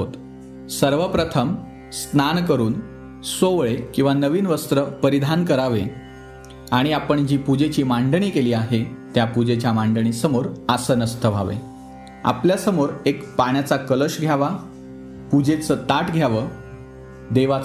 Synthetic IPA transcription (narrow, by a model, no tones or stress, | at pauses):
ot̪ | səɾʋəpɾət̪ʰəm | snankəɾuːn | soʋɭekĩw̃ʋanəʋiːnʋəst̪ɾəpəɾid̪ʱankəɾaʋe | aɽ̃iapəɳd͡ʑiːpud͡ʑet͡ɕiːmaɳɖəɳiːkeliːaɦet̪japud͡ʑet͡ɕjamaɳɖəɳ̃iːsəmoɾasənəst̪ʰəʋʱaʋḛ | a̰pljasəmoɾekpaɳ̃jat͡sakələɕɡʱjaʋa | pud͡ʑet͡səːt̪aʈɡʱjaʋəː | d̪eʋa